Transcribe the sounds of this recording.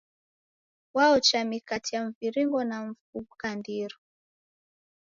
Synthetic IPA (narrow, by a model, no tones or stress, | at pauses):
waɔt͡ʃamikatijaɱ̩viɾiŋɡɔnam̩fukandiɾɔ